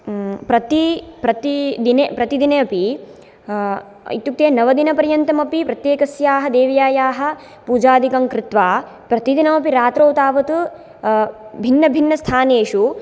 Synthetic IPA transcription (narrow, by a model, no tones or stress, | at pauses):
pɾɐt̪ipɾɐt̪id̪inepɾɐt̪id̪ineɐpi | ḭt̪juk̚t̪eːnɐʋɐd̪inɐpɐɾjɐnt̪ɐmɐpipɾɐt̪jeːkɐsjaːɦɐd̪eːʋɐjaːjaːɦɐ̆ | puːd͡ʒaːd̪ʱikɐŋkɾɪt̪ʋaː | pɾɐt̪id̪inɐmɐpiɾaːt̪ɾɐwt̪aːʋɐt̪u | bʱinːɐbʱinːɐst̪ʰaːneːʂu